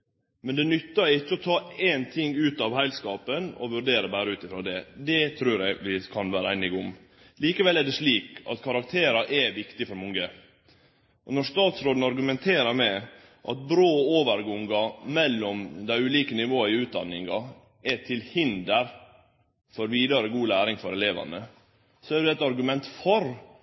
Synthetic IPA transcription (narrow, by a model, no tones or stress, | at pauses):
mɛnd̪ɛnʏt̪ːəɾɪt͡ʃːəɔt̪ʰɑːeːnt̪ʰɪŋʉːt̪ɑʋhæɪlskɑːpənɔ̰ʋʉɾɖeːɾəbæːɾəʉːt̪ɪfɾɑːd̪ɛd̪ɛt̪ʰɾʉːɾɛɪɡʋɪkʰɑnʋæːɾəæɪnɪɡʊm | liːkəʋɛlːæɖɛsliːkɑ̰t̪kʰɑɾɑk̚t̪ʰeːɾɑʔɛʋɪkt̪ɪfɔɾmɔŋə | ʔɔnɔʂt̪ɑːt̪sɾoːd̪n̩ɑɾɡʉmɛnt̪ʰeːɾəɾmɛ | ʔɑ̰t̪̚bɾoːoːʋəɾɡʊŋɡɑmɛlːɔmd̪æɪʉːliːkənɪʋoːəɪʉːt̪̚d̪ɑ̰nːɪŋɑ | ɛt̪ʰɪlhɪnd̪əɾ | fɔɾʋiːd̪əɾəɡuːlæːɾɪŋfɔɾɛleːʋɑ̰nə | sɔæɖɛɛt̪ːəɑɾɡʉmɛnt̪fɔɾ